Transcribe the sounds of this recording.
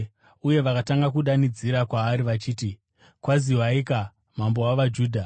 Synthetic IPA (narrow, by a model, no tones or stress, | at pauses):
uje̞ʋakataŋɡak̬uɗanid͡ziɾakwaːɾiʋat͡ʃiːti | kwaziwaika | mambo̞waʋad͡ʒuːdʱa